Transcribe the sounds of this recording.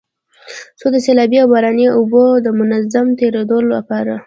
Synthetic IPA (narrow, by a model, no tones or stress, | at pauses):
sod̪əselɑbiawbaɾɑneubod̪əmʊnazamt̪eɾed̪ola̰pɑɾa